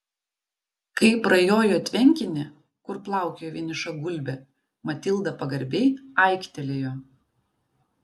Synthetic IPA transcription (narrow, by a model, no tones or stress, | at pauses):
kɐɪpɾɐjoːjoːt̪ʲʋʲɛŋʲkʲɪnʲɪ | kʊɾplˠɑˑʊkʲejoːʋʲɪnʲɪʃɐɡʊlʲbʲɛ | mɐt̪ʲɪlˠd̪ɐpɐɡɐɾʲbʲɛɪɐˑɪkʲt̪ʲɛlʲeːjoː